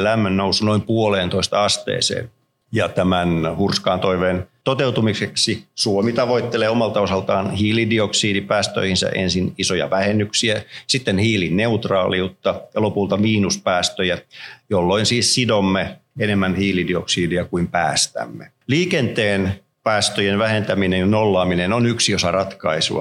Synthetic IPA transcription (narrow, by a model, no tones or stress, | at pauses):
læmːønnousunoimpuoleːnt̪oist̪ɑɑst̪ḛːsḛːn | jɑt̪æmænhurskɑːnt̪oiʋeːnt̪ot̪eut̪umiseksisuomit̪ɑʋoit̪ːeleːomɑlt̪ɑosɑlt̪ɑːnhiːlidioksiːdipæːst̪ø̰ihinsæ̰ʔḛnsinisojɑ̰ʋæhenːyksiæsit̪ːenhiːlinneut̪rɑ̰ːliut̪ːɑjɑlopult̪ɑmiːnuspæːst̪øjæjolːoinsiːssidomːeenemːænhiːlidioksiːdiækuimpæːst̪æ̰mːe | liːkent̪eːn | pæːst̪øjenʋæhent̪æminenjɑnolːɑːminenonyksiosɑrɑt̪kɑisṵɑ̰